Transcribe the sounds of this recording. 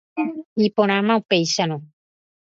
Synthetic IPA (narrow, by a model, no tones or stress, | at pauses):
ipoñãmãupejsanõ